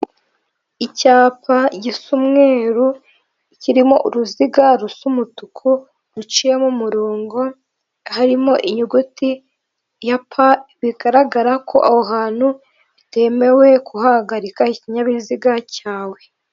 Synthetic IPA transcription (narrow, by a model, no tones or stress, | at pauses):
icaːpaɟisumŋe̞ːɾu | iciɾimo̞ʔuɾuziɡaɾusumutukʰu | ɾut͡ʃijemumuɾoːŋɡo̞ | haɾimo̞ʔiɲuɡuti | japʰaβiɡaɾaɡaɾakʰo̞ʔahoɦaːn̥hu | ite̞me̞we̞kʰuhahɡaɾikahiciɲaβiziɡacaːwe̞